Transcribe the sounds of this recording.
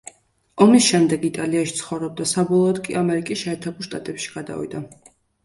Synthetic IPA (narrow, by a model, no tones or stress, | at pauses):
ɔmisʃɛmd̪ɛɡit̪ʼaliaʃi̥t̪sʰχɔvɾɔb̚d̪asabɔlˠɔːd̪kʼiamɛɾikʼisʃɛːɾt̪ʰɛbulˠʃt̪ʼat̪ʼɛpʃi̥ɡ̥ad̪a̰vḭd̪a